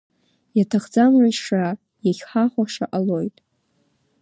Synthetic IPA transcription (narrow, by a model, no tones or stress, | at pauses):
jatʰaχd͡zamrʷajʂa | jaχʲħaχʷaʂa̰ʔalo̞jtʼ